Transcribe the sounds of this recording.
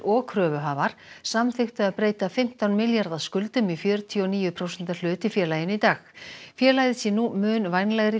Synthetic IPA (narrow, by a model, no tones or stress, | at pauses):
ɔkʰɾœːvʏɦaːvaɾ̥samθɪxt̪ʏaðpɾeːjt̪afɪm̥t̪awnmɪljaɾðaskʏlt̪ʏmifjœːɾʏt̪ʰiɔɔniːjʏpʰɾowsɛn̥t̪al̥ʏːt̪ɪfjɛːlajɪnit̪aːxfjɛːlajðɪsjɛnumʏːnvajnlɛɣɾɪ